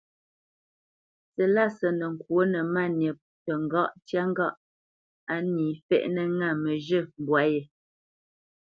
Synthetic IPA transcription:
sə˨la˦˨sə˨nə˨ŋ̩˨kwo˨˦nə˨ma˦˨nje˨p̚ | tə˨ŋ˨ɡɔ˦ʔtja˦ŋ˦ɡɔ˦ʔ | a˨˦niː˨fɛ̰˦˨ʔnə˦ŋa˦˨mə˨ʒə˦˨m˨bwa˨˦je˨

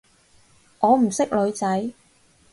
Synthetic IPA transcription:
ŋɔː˨˧m̩˨˩sɪ˥k̚lɵ˨˧ɥt͡sɐ˨˥j

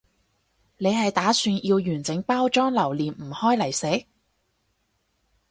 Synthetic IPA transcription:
ne˨˧jɦɐ˨jt̪aː˨˥syː˧njiː˧wjyː˨˩nt͡sɪ˨˥ŋpaː˥wt͡ʃɔː˥ŋlɐ˨˩wliː˨nm̩˨˩hɔː˥jlɐ˨˩jse˨˥

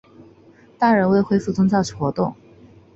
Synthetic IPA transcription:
t̪a˥˩ɻə˧˥nwe˥˧ɪxwe˥ɪfu˥˩t͡sʊ˥ŋt͡ɕjɑ˥˩ʊʈ͡ʂʰu˨˩xwɔ˧˥t̪ʊ˥˩ŋ

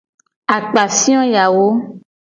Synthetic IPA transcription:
a˨k͡pa˨sĩ˦ɔ̃˦ja˨wo˦

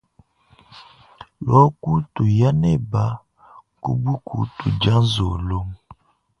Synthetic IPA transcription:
lɔ˦ku˦tu˨ja˦ne˦ba˨˦ | kṵ˦bu˦kʰu˨tu˨d͡ʒa˦n˦zo˨lo˦ŋ

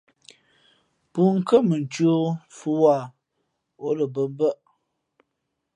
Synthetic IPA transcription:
pu˦ŋ̩˦kə˦mə˨n˨t͡ʃɥo˦fu˦wa˦˨ | o˨˦lə˨bə˨m˦bə˦˨ʔ

